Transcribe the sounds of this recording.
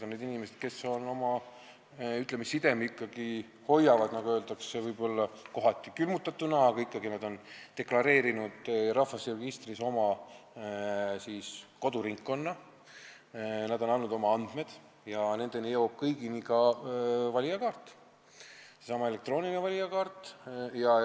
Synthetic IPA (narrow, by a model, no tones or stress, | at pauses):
d̪o̞ned̪inimesed̪̥̚ke̞sːo̞no̞mɑ | yt̪ˑlemisːid̪e̞mikˑːɑɡ̥i | ho̞jːɑvɑd̪̥nɑɡuø̞ːld̪ɑksevɯjbo̞lːɑko̞ɦɑt̪ːˑikylmut̪ːˑɑt̪ːunɑɑɡ̥ɑikːɑɡinɑd̪̥o̞nt̪e̞klɑɾe̞ːɾinud̪̥rɑfɑsreɡ̥ist̪riso̞mɑ | siːsko̞d̪uɾiŋkːo̞nːɑ | nɑd̪̥o̞nɑlːud̪̥o̞mɑɑnd̪̥me̞d̪̥ | jɑne̞nd̪̥e̞nijɤwb̥̚kɤjɡ̥inikɑ | vɑlʲijɑkɑːrt̪ːˑ | sesɑmɑele̞k̚t̪ro̞ːninevɑlʲijɑkɑːrt̪ːˑjɑ